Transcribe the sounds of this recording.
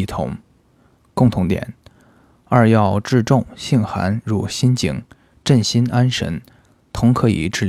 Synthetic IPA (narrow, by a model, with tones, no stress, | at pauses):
t̪ʰʊ̰˧˥ŋ | kʊ˥˩ŋt̪ʰʊ˧˥ŋt̪jɛ̰˨˩˦n | ɐ˞˥˧jɑ˥˧ʊʈ͡ʂɻ̩˥˧ʈ͡ʂʊ˥˩˧ŋɕi˥˩nxa̰˧˥nɻu˧˥˩ɕi˥nt͡ɕḭ˨˩ŋ | ʈ͡ʂə˥˩nɕi˥nʔa˥nʂə̰˧˥n | t̪ʰʊ˧˥ŋkʰɤ˧˥ḭ˨˩ʈ͡ʂɻ̩˥˩